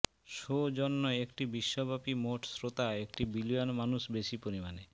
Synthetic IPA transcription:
ʃod͡ʑonːoekʈibiʃːobʱapimoʈsɾot̪aek̚ʈibilianmanuʃbeʃipoɾimane

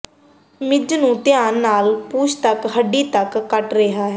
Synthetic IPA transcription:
mɪd͡ʒnũːt̪ɪjaːnːaːlpuːʃt̪əkɦəɖːiːt̪əkːəʈɾeɦaːɦɛ

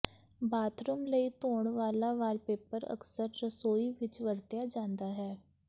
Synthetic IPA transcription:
baːt̪ɾʊmləit̪oːɳ̃ʋaːlaʋaːlpeːpəɾə̰ksəɾːəsoːiʋɪt͡ʃʋəɾt̪jad͡ʒãːnd̪aɦɛː

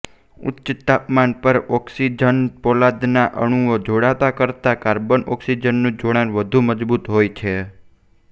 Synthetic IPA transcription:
ʊ̰tːt͡ʃət̪ːapmanpəɾɔksid͡ʒənpɔlad̪naʔə̰ɽ̃uod͡ʒoɽat̪akəɾt̪akaɾbonɔksid͡ʒənːũd͡ʒoɽanʋəd̪ʱuməd͡ʒbut̪ɦojt͡ʃʰe

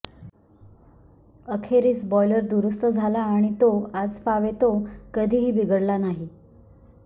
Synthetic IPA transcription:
əkʰeɾiːsbɔiləɾd̪uɾust̪əd͡zʱalaːɽ̃it̪oad͡zpaʋet̪okəd̪ʱiːɦiːbiɡəɽlanaɦi

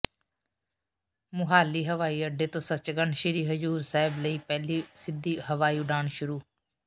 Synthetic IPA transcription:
mʊɦaːliːɦəʋaːiːəɖːeːt̪õːsət͡ʃɡəɳʃɪɾiːɦəd͡ʒuːɾsaːɪbləiːpɛːliːsɪd̪iːɦəʋaːiːʊɖaːɳʃʊɾuː

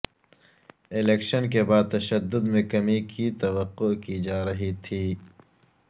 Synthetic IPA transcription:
ɪleːkʃənkebaːd̪̚t̪ɐʃɐd̪ːʊd̪mẽkɐmikʰit̪ɐwɐqːokid͡ʒaːɾɐɦit̪ʰiː

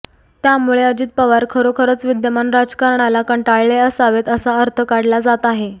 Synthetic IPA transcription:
t̪jamuɭeəd͡ʑiːt̪̚pəʋaɾkʰəɾokʰəɾət͡sʋid̪jəmanɾad͡zkaɾɳalakəɳʈaɭleəsaʋet̪əsaəɾt̪ʰəkaɽlad͡zat̪aɦe

